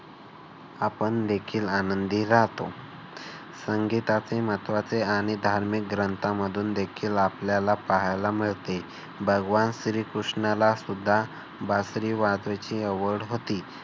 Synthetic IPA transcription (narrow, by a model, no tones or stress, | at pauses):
apəɳd̪ekʰiːlanənd̪iːɾaɦt̪o | səŋɡit̪at͡semət̪ʋat͡seaɽ̃id̪ʱaɾmik̚ɡɾənt̪aməd̪ʱuːnd̪ekʰiːlapljalapaɦajlamiɭt̪e | bʱəɡʋanɕɾiːkɾuʂɳalasud̪ʱːa | basɾiːʋad̪ʋat͡ɕiːəʋəɽɦot̪iː